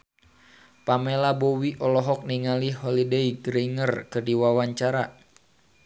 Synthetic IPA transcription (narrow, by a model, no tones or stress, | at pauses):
pamelabowiʔɔlɔɦɔk̚niŋaliɦɔlideiɡɾiŋərkɨrdiwawaɲt͡ʃaɾa